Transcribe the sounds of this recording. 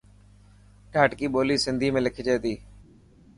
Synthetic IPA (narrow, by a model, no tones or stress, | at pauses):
ʈaːʈkiːɓoːliːsɪnd̪ʱiːmẽːlɪkʰiːd͡ʒeːt̪iː